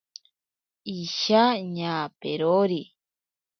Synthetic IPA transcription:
iʃaɲãːpeɾoɾi

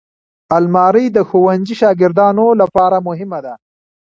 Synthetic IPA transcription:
almɑːɾəjd̪əxowand͡ʒiʃɑːɡɪɾd̪ɑːnolapɑːɾamʊɦɪmad̪a

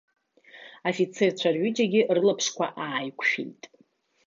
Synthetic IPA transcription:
afit͡sʰe̞rt͡ɕʷʰarɥʏd͡ʒaɡʲɪrɨlapʰʂkʷʰa̰ʔaːjkʷʰʼʃḭjtʼ

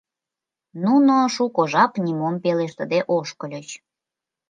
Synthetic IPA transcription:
nunoʃukoʒɑpnʲimompeleʃt̪ə̆d̪eʔoʃkəlʲət͡ɕ

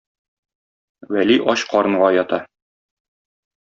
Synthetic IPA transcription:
wæliʔɒɕqɒɾɤ̆ɴʁɑjɒt̪ɑ

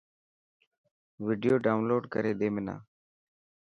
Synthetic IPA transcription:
ʋiːɖɪjoːɖaːʊnloːɖkəɾeːɗ̪eːmɪna̰ː

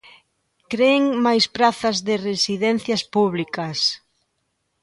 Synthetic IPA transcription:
kɾeːŋmajspɾaθɐzðɪresiðɛn̟θjɐspuβlikɐs

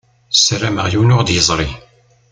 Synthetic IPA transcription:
sɾæməʁjiwnʊʁd̪jəzˤɾˤi

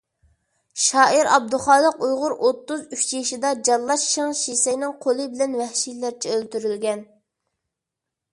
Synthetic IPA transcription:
ʃɑːiɾɑ̰b̚d̪uχɑːlˠəqujʁʊɾʔot̪ːuzyt͡ʃjiʃid̪ɑd͡ʒɑllˠːɑʃːəŋʃisɛjnɪŋqʰolˠɨbɪlɛnwɛhʃilæɾt͡ʃʰɛølt̪yɾylɡʲɛn

